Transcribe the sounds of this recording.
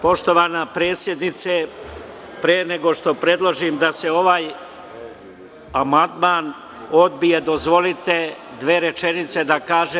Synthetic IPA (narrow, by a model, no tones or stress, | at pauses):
po̞ʃt̪o̞ʋaːnapɾe̞ːt̪sje̞d̪nit̪se | pɾeːne̞ɡo̞ʃt̪o̞pɾe̞d̪lˠoʒimd̪ase̞o̞ʋaːj | amand̪maːn | o̞d̪bijed̪o̞zʋo̞lit̪e̞ | d̪ʋeːɾe̞t͡ʃe̞nit̪se̞d̪akaːʒe